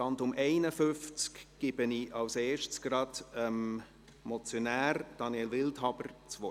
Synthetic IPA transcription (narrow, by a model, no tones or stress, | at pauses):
ɑntʊmʔɛɪnəfʏft͡skɡ̥ɪb̥əniʔɑwseːʃtt͡sɡ̥ɾɑdəm | mɔt͡sjonæːrd̥ɑnjɛlʋɪltɦɑb̥əɾt͡svɔ